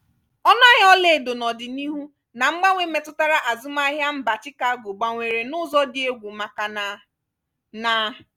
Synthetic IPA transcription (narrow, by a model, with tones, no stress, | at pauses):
ɔ˦na˦ɦɔ˦le˨do˨nɔ˨dɪ˨ni˦ɦu˦ | na˨ŋ͡m̩˦ɡ͡ba˦ŋʷe˦me˨tʊ˦ta˦ɾa˦ʔa˨zʊ˦ma˦ɦja˦m̩˦ba˨t͡ʃɪ˦ka˦ɡo˨ɡ͡ba˨ŋʷe˨ɾe˨nʊ˦zɔ˦dɪ˦e˦ɡʷu˨ma˨ka˨n˦ | na˦